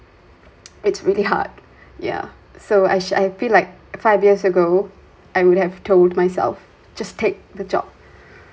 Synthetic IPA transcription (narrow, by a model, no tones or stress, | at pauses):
ɪtsɹiliɦa̰d̚ | ja̰ | soa̰ɪʃa̰ɪfilaɪk̚ | faɪvjiəsəɡo | ʔaɪwʊd̚hɛv̥tʰoldmaɪsɛ̰lf | d͡ʒastʰek̚ðəd͡ʒɔ̰p̚